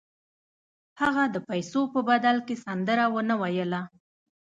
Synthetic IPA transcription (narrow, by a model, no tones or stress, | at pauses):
haɣad̪əpajsopəbad̪alkesand̪əɾawənawajəla